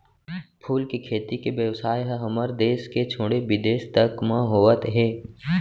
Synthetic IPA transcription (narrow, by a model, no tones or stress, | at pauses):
pʰuːlkikʰeːt̪ikeʋjəʋsaːjɦəɦɐməɾd̪eːsket͡ʃʰoːɽebɪd̪eːʃt̪əkmãɦoːʋət̪ɦɛː